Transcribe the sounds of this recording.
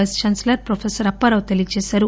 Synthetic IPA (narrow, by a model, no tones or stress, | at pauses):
ɐst͡ʃaːnslɐɾpɾofʰesɐɾɐpːɐɾɐʋt̪eliɐt͡ʃeːsaːɾu